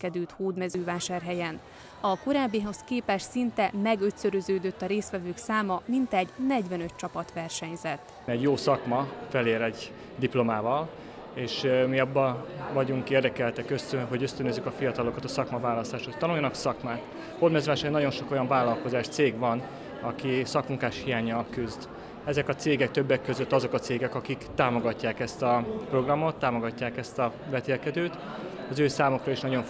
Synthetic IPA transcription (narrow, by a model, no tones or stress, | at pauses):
kɛd̪ylt̪hoːd̪mɛzøːvaːʃaːrɦɛjɛn | ɒko̞ɾaːbːiɦo̞skeːpɛʃsint̪ɛmɛɡøt̪søɾøzøːd̪øt̪ːɒɾeːst̪ʋɛvøːksaːmɒmint̪ɛɟnɛɟvɛnø̞t̪̚t͡ʃɒpɒt̪ʋɛrʃɛɲzɛt̪ːɛɟjoːsɒkmɒfɛleːɾɛɟ | d̪iplo̞maːvɒl | eːʃmiɒbːɒvɒɟuŋkeːrd̪ɛkɛlt̪ɛkøst̪ønɦo̞ɟø̞st̪ønøzːykɒfijɒt̪ɒlo̞kɒt̪ɒsɒkmɒvaːlɒst̪aːʃt̪ho̞ct̪ɒnujɒnɒksɒkmaːt̪ | hod̪mɛzɾaːʃɛnɒɟo̞nʃo̞ko̞jɒɱvaːlːɒlko̞zaːʃt̪seːɡvɒn | ɒkisɒkmuŋkaːʃhijaːɲɒkyzd̪ | ɛzɛkɒt̪seːɡɛkt̪øbːɛkːø̞zøt̪ːɒzo̞kɒt̪seːɡɛkɒkikt̪aːmo̞ɡɒcːaːkɛst̪ɒpro̞ɡrɒmo̞t̪ːaːmo̞ɡɒcːaːkɛst̪ɒvɛt̪eːlkɛd̪øːt̪ | ɒzøːsaːmo̞krɒiʃnɒɟo̞ɱ